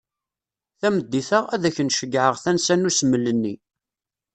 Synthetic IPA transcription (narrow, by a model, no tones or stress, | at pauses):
θæməd̪ːiθəʁæðæçənʃəɡʕəʁθænsænusməlːənːi